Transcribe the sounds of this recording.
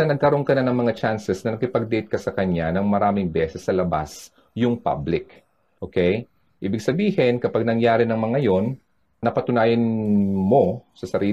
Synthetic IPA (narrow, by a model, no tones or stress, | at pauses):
ɐnɐɡ̚kɐɾo̞nkɐnanɐŋmɐŋat͡ʃansɛsnɐnɐkɪpɐɡ̚d̪ejt̪̚kɐsɐkɐɲːanɐŋmɐɾaːmɪŋbɛːsɛsːɐlɐba̰s | jʊŋpa̰blɪk | ʔoːkɛj | ʔiːbɪɡ̚sɐbiːhɪnkɐpaɡ̚nɐŋjaːɾɪnɐŋmɐŋɐjo̞n | nɐpɐt̪ʊnaːjɐnmo̞sɐsɐɾiː